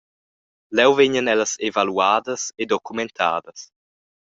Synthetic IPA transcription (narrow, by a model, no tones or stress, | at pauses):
lɛwvɛɲənɛləsevaluaːd̪əsed̪ɔkumɛnt̪ʰa̰ːd̪əs